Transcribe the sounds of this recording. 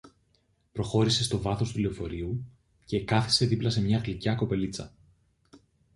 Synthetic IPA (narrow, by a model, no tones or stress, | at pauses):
pɾo̞xo̞ɾise̞st̪o̞vɐθo̞st̪uleofo̞ɾiu | ce̞kɐθi̥se̞ðiplɐse̞mɲɐɣlicɐko̞pe̞lit͡sɐ̰